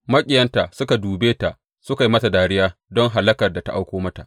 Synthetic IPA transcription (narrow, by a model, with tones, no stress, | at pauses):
mɐ˦kʲʼɪ˨jɐ˦nta˨sʊ˦ka˨duː˨beː˦ta˨ʔ | sʊ˦ka˨jimɐ˦sa˨daː˨ɽɪ˦jaː˦dɔ˦ŋɦa˨lɐ˦kɐ˨rda˨ta˦ʔa˦wkʷoː˦mɐ˦ta̰˨ʔ